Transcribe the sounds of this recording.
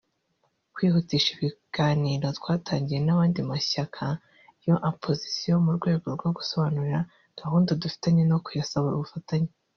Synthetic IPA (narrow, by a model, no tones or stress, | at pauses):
kwiːhutiʃiβiɡ̥aːniːɾo̞twaːtʰaːɲɟije̞naβaːndimaɕakʰa | jo̞ʔapʰo̞zisijo̞muɾɡwe̞ːɡo̞ɾɡo̞ɡu̥so̞βanuɾiɾa | ɡ̥ahuːndodufi̥taɲeno̞kujasaβoɾuβufataɲe